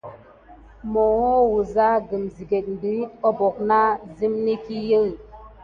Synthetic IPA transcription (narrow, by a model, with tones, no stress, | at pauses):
mo˨wo˦wu˨za˦ɡə˨mzi˨ɡe˨k̚n˦di˨˦ɔ˦bɔ˨k̚na˦zi˦mni˦ki˦jə˦˨